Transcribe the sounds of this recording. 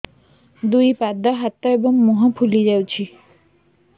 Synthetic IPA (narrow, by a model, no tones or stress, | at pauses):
d̪ujpad̪ɔɦat̪ːɔebɔŋmuɦɔ̃pʰulid͡ʑawt͡ɕʰi